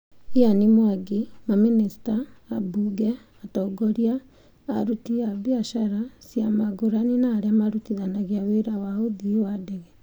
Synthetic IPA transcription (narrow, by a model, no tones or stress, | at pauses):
ianimwaɡemaminisi̥taːbuːɡɛ | atɔɡɔɾia̰ː | ɾutiaβjaʃaɾasjamaɡoɾaninaːɾeamaɾutiðanaɣiaweɾawaoðiowadɛɣɛ